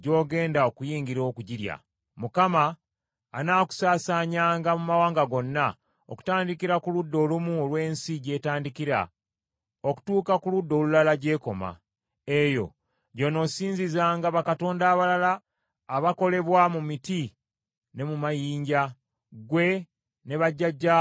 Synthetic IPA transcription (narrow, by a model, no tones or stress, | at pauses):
ɟo̞ːɡe̞ːndao̞kujiːŋɡiɾo̞ːkuɟiɾja̰ | mukamaː | naːku̥saːsaɲaːŋɡamumawaːŋɡaɡo̞nːa | o̰ku̥taːndikiɾakuludːo̞lumuolwe̞ːnsiɟe̞ːtaːndikiɾa̰ | oku̥tuːkakuludːo̞ːlulalaɟe̞ːko̞ma̰ | e̞jo̞̰ | ɟo̞no̞siːɲzizaːŋɡaβakato̞ːndaːβalalaː | βako̞le̞βwamumiti | ne̞mumajiːɲɟa | ɡwe̞ | ne̞βaɟːaɟːa